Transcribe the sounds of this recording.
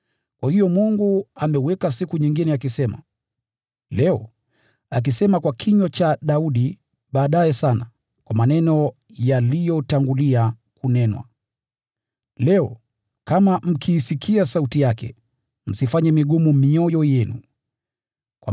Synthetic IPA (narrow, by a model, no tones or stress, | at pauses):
kwahijɔmuŋɡuamɛwɛkasikuɲiŋɡinɛakisɛma̰ | lɛɔ | ak̬isɛmakwakʰiɲwat͡ʃaɗauɗi | ɓaːɗajɛsana | kwamanɛnɔ | jalijɔtaŋɡuliakunɛnwa̰ | lɛɔ | kamam̩kʰiːsikʰiasautijakɛ̰ | m̩sifaɲɛmiɠumumiɔjɔjɛnṵ | kwa